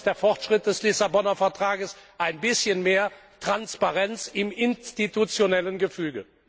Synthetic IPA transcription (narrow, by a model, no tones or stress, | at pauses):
d̥eːɐfɔʁtʃʁ̥ɪt̚d̥ɛslɪsabɔnɐfɛɐtʁ̥aːɡəsʔaɪnbɪsçənmeːɐ | tʁ̥anspaʁɛnt͡sɪmɪnstitut͡sjonɛlənɡəfyːɡə